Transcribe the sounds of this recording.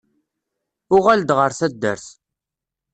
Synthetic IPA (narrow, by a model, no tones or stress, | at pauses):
ʊʁæld̪ʁəɾθæd̪ːə̰ɾθ